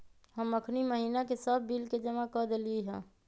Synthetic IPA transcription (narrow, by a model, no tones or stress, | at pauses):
həməkʰniməɦiːnakesəbʱːilked͡ʒəmakəd̪eliiɦɛ̃ː